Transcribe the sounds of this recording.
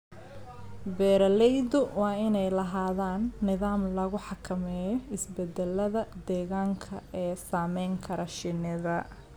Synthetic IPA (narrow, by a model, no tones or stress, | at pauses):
bɛːɾɐlɛjd̪ʊwɑːɪnɛjlɐɦaːðaːnːɪðaːmlɐɣʊħɑkʰɐmɛːjɔɪsbɛd̪ɛlɐðɐd̪ɛːɣaːŋkʰɐ̰ɛːsaːmɛjŋkʰɐɾɐʃɪnɪðɐ